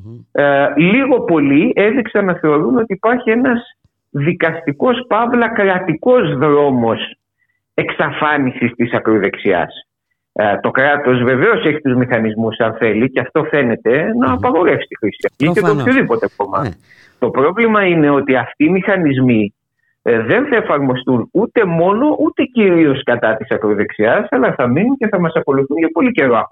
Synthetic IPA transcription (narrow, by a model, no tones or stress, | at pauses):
liɣo̞po̞lie̞ðiksɐnːɐθe̞o̞ɾuno̞t̪iːpɐɾçie̞nɐz | ðikɐst̪iko̞spɐvlɐkɾɐt̪iko̞zðɾo̞mo̞s | e̞ksɐfɐnisist̪isɐkɾoðe̞ksiɐ̰s | t̪o̞kɾɐt̪o̞zve̞ve̞o̞se̞çi̥t̪uzmixɐnizmusɐnθe̞liceɐft̪o̞fe̞ne̞t̪e̞nɐːpɐɣo̞ɾe̞fsi̥t̪ixɾisi̥ɐft̪it̪et̪oopçoðipo̞t̪eomɐ̰ | t̪o̞pɾo̞vlimɐine̞o̞t̪iɐft̪iːmixɐnizmi | ðe̞nθɐe̞fɐɾmo̞st̪unut̪e̞mo̞no̞ʔut̪e̞ciɾio̞skɐt̪ɐt̪isɐkɾo̞ðe̞ksiɐsɐlɐθɐminunce̞θɐmɐsɐko̞luθunʝɐpo̞lice̞ɾoɐ